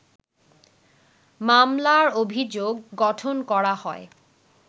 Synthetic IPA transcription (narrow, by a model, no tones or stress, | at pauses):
mamlaɹobʱid͡ʑoɡːɔtʰonkɔɹahɔ̰j